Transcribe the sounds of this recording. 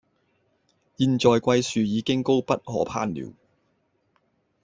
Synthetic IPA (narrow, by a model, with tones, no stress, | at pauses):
jiː˨˧nt͡ʃɔː˨jkʷɐ˧jsyː˨jiː˨˧kɪ˥ŋko˥wpɐ˥t̚hɔ̰ː˨˥pʰa̰ː˥nlḭː˨˩w